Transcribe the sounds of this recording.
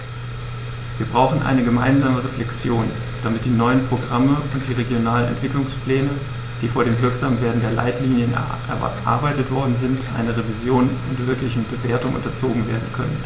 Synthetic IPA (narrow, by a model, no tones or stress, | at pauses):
viːɐbʁaʊχn̩ʔa̰ɪnəɡəma̰ɪnzaːməʁeflɛkt͡sjoːn | d̥amɪt̚d̥iːnɔʏənpʁ̥oɡʁaməʊntd̥iːʁeɡjonaːlənɛ̰ntv̥ɪklʊŋspl̥ɛːnə | d̥iːfoːɐɾeːmvɪɐkz̥aːmveːɐdn̩deːɐla̰ɪtliːnjən̰ | ʔɛ̰ɐ̰ʔa̰ɐbaɪtətv̥ɔɐdn̩zɪntʔa̰ɪnɐʁevizjoːnʔʊntvɪɐklɪçn̩bəveːɐtʊŋʔʊ̰ntɐt͡soːɡŋ̩veːɐdn̩kʰœnə̰n